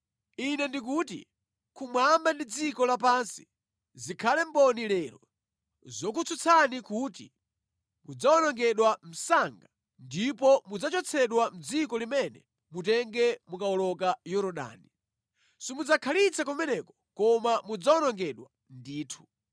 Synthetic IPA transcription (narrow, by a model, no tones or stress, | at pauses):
inɛndikutḭ | kʰumwambandid͡zikɔlapansi̥ | zikʰalɛmbɔnilɛːɾɔ̰ | zɔkut͡sʰut͡sʰanikutḭ | mud͡zaɔnɔŋɡɛɗwam̩saŋɡa | ndipɔmud͡zat͡ʃɔt͡sʰɛɗwam̩d͡zikɔlimɛnɛ̰ | mutɛŋɡɛmukaɔlɔkajɔɾɔɗa̰ːni | sɔmud͡zakʰalit͡sʰakɔmɛnɛkɔ̥kɔmamud͡zaɔnɔŋɡɛɗwa | ndiːtʰu̥